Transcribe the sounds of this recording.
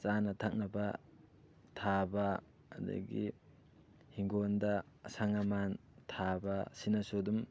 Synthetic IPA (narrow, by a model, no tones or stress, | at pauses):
t͡ʃanɐtʰak̚nɐbɐ | tʰabɐ | ɐdɐ̰ɡḭ | hiŋɡondɐːsaŋaman | tʰabɐsinɐsudum